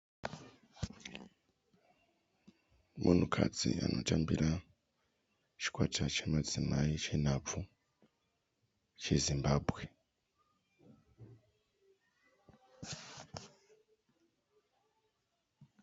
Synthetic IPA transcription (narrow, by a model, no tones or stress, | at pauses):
mʔunukʰa̰d͡zianʔotambiɾa | t͡ʃi̥kwatʰat͡ʃamazimait͡ʃenavu | t͡ʃezimbaːbɣe